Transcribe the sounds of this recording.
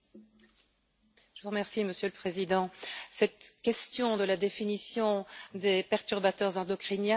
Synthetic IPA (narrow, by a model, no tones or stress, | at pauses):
ʒəvuʁəmɛʁsiməsjøləpχezid̪ɑ̃sɛt̪kʲɛst̪jɔ̃d̪əlad̪efinisjɔ̃d̪epɛʁt̪yʁbat̪œʁzɑ̃d̪ɔkχinja